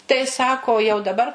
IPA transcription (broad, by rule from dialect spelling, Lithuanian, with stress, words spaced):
tɐɪ ˈsɑːkoː jɛʊ dɐˈbɐr